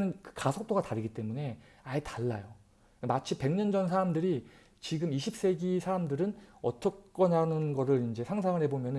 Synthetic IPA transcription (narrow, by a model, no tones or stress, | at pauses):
nɯnkɯ̥kasʰʌk̚t͈oɡataɾiɡit͈e̞mune̞ | aetaɭːajo | mat͡ɕʰipe̞ŋɲʌnd͡ʑʌnsʰaɾamdɯɾi | t͡ɕiɡɯmiɕʰip̚s͈e̞ɡisʰaɾamdɯɾɯnʌt͈ʌk̚k͈ʌnɦanɯnɡʌɾɯɾind͡ʑe̞sʰaŋsʰaŋɯɭhe̞bomjʌnɯ